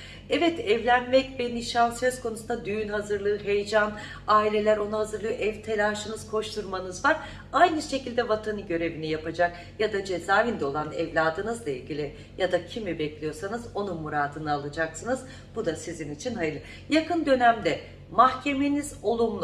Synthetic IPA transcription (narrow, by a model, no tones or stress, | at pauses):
ɛvɛt̪ɛvlʲænmɛcveniʃasø̞z̥kʰo̞nusund̪ad̪yjynhazɯɾlˠɯːɦejd͡ʒan | aːilʲe̞lʲæɾo̞nuɦazɯɾlˠɯɯʔɛvt̪ʰelʲaːʃɯnɯz̥kʰo̞ʃt̪ʰuɾmanɯzvaɾ | ajnɯʃe̞cilʲd̪ɛvat̪ʰanɯɟø̞ɾe̞vinijapad͡ʒak | jad̪ad͡ʒe̞zaːvind̪ɛo̞lˠanɛvlʲaːd̪ɯnɯzlˠailʲɟʲilʲi | jad̪acʰimibɛclʲijo̞ɾsanɯzo̞numuɾaːd̪ɯnɯalˠad͡ʒaksɯnɯz | b̥ud̪asizinit͡ʃʰinɦajɯlˠɯ | jakʰɯnd̪ø̞næmd̪ɛ | mahcʰe̞me̞niz̥o̞lˠumlˠ